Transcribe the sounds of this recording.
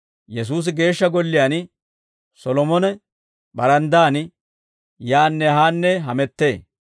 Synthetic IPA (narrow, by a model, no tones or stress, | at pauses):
jɛs̬uːs̬ɪɡe̞ːʃːɐɡɔlːɪjan | sɔlɔmɔnɛ | ɓɐɾɐnd̪aːn | jaːnːɛɦaːnːɛɦɐmɛt̪ːeː